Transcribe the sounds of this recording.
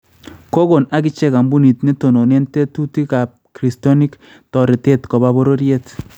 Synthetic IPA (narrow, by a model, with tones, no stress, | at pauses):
ko˦ko˨na˨kɪ˦t͡ʃɛ˦ka˨mbu˦ni˨tni˦to˨no˨ne˦nte˦tu˦ti˦ka˨p̚kɾi˨stɔ˦ni˦k | tɔ˨ɾi˨te˦tko˨ba˦bo˦ɾo˦ɾje˦t